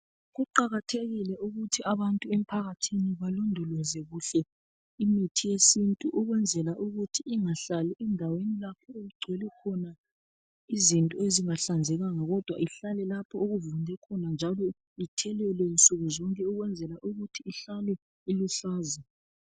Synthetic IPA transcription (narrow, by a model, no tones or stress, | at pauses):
ɣuǃaɣatʰeɣilɛuɣutʰiaβantʼuɛm̩pʰaɣatʰiniβalɔndʱɔlɔzɛɣuɬɛ | imitʰijesintʼuʔuɣwɛnd͡zʱɛlaʔuɣutʰiiŋaɬalɛʔɛndʱawenilakʰɔoɣuɡ͡ǀʱwɛlɛkʰɔna | izintʼɔeziŋaɬand͡zʱɛɣaŋaɣɔd̥ʱwa̰iɬalɛlapʰɔoɣuvundʱɛkʰɔnand͡ʒʱalɔ | itʰɛlɛlɛnt͡sʼuɣuzɔŋkʼɛuɣwɛnd͡zʱɛlaʔuɣutʰiːɬalɛ | iluɬaːza